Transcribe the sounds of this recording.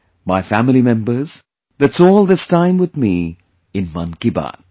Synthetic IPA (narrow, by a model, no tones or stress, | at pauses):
maɪfæmɪlimɛ̃mbə˞z̥ | ðætsɔːlˠd̪ɪstãɪ̃mwɨðmi | ɪ̃nmʌ̰̃nkiba̰n